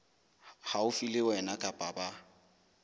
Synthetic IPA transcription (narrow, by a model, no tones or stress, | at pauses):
haʊfilɪwɛnakʼapʼaba